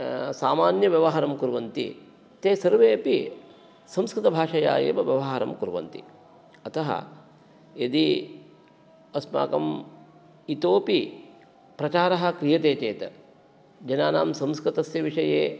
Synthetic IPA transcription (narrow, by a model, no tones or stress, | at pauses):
saːmaːnjɐʋjɐʋɐɦɐɾɐmkuɾʋɐnt̪ḭ | t̪eːsɐɾʋeːɐpi | sɐmskɾɪt̪ɐbʱaːʂɐja̰ːjḛːmɐʋjɐʋɐɦɐɾɐ̰mkuɾʋɐ̰nt̪ḭ | ɐt̪ɐɦɐ̰ | ed̪i | ɐsma̰ːkɐm | it̪oːpi | pɾɐt͡ʃaːɾɐɦɐ̆kɾijɐt̪eːt͡ʃeːt̪ɐ̰ | d͡ʒɐnaːna̰ːmsɐmskɾit̪ɐsjɐʋiʂɐjeː